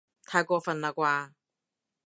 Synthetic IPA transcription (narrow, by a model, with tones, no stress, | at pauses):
t̪ʰaː˧jkʷɔː˧fɐ˨nlaː˨˧kʷaː˧